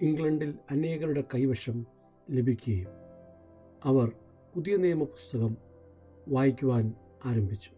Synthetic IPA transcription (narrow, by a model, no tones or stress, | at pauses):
iŋɡɭɐɳɖilɐne̞ːɣɐɾuɽe̞kɐjʋɐʂɐm | le̞bʱikʲːuɣɐjum | ɐʋɐr | puðijɐneːmɐpu̥st̪ɐɣɐm | ʋaːjikʲːuʋaːn | aːɾɐmbʱit͡ɕːu̥